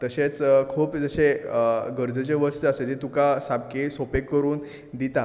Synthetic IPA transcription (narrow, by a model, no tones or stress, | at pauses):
t̪əɕet͡skʰuːpd͡zəɕeɡəɾd͡zət͡ɕeʋəst̪əsed͡ʑet̪ukasap̚kisopekːəɾuːn | d̪it̪a